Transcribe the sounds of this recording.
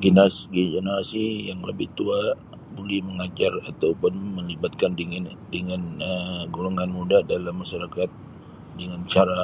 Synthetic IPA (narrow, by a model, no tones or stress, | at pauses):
ɡinasɡid͡ʒənaasijaŋlə̰bɪht̪ua | bolɛhməŋad͡ʒarat̪aupʊnməlibat̪̚kanddəŋanəɡoloŋanmudadalamːaʃaɾakat̪̚ | dəŋant͡ʃaɾa